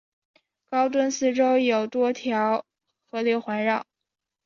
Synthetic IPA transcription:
kɑ˥ʊt̪wə˥nsɹ̩˥˩ʈ͡ʂo˥ʊjo˨˩ʊt̪wɔ˥t̪ʰjɑ˧˥ʊ | xɤ˧˥ljɛ˥˩xwa˧˥nɻɑ˥˨˩

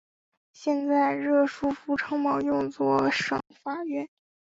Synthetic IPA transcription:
ɕjɛ˥˧nt͡sa˥˧ɪɻɤ˥˩ʂu˥fu˧˥ʈ͡ʂʰɤ˥ŋmɑ˨˩ʊjʊ˥˧ŋt͡swɔ˥˩ʂɤ̰˨˥˩ŋfa˥ɥɛ˥˩n

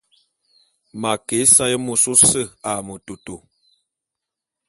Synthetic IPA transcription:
ma˨ke˨˦sa˦jə˦mo˨so˦sə˦˨a˨mə˨to˨to˨

